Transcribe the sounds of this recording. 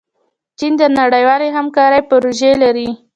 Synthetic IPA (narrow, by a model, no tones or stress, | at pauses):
t͡ʃind̪ənaɽəjwɑleɦamkɑɾəjpʊɾoʒelaɾi